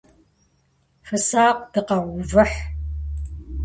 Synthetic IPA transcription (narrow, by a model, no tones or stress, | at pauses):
fɨsaːqd̥ɨqɐwʷvɨħ